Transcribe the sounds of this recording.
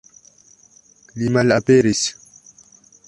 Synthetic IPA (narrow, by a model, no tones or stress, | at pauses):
limalʔapeɾis